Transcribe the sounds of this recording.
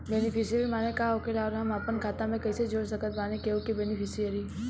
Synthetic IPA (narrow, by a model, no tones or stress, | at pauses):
bɛːnɪpʰɪsijəɾimaːnekaokeɾaɔːɾɦɐmaːpənkʰaːt̪ãmẽkɐɪsed͡ʒoːɽsɐkət̪baːnekeokebɛːnɪpʰɪsiəɾi